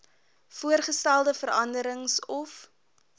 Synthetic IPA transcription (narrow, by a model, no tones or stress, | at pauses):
fuərχəstælˠdəfəɾɐndəɾəŋsɔf